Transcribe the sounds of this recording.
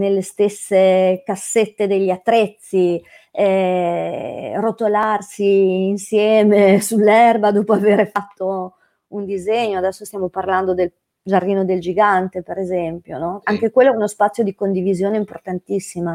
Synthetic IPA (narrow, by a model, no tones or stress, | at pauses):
nelːest̪esːekasːet̪ːed̪eʎːiat̪ːɾet̪sːi | ɛ | rot̪olarsiːnsjɛːmesulːɛrbad̪oːpoaveːɾefat̪ːo | und̪izeɲːoad̪ɛsːost̪jaːmoparland̪od̪el | d͡ʒarːiːnod̪eld͡ʒiɡant̪epeɾezɛmpjonɔaŋkekwelːoɛunospat̪sːjod̪ikond̪ivizjoːneimport̪ant̪isːima